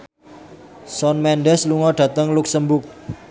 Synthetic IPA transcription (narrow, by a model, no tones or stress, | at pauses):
sɔnmɛnɖɛsluŋɔɖ̥ä̤t̪əŋlʊksəmbʊk̚